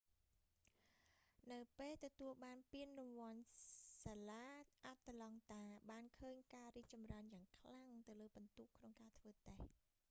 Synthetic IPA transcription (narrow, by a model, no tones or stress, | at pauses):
nɨwpeːlt̪ɔt̪uəlɓaːnpiənrɔʋŏənsaːlaːʔat̪ːalɑŋt̪aːɓaːnkʰəːɲkaːriːk̚t͡ɕɑmraənjaːŋkʰlaŋt̪ɨwləːɓɑnt̪uːʔkʰnoŋkaːt̪ʰʋəːt̪eh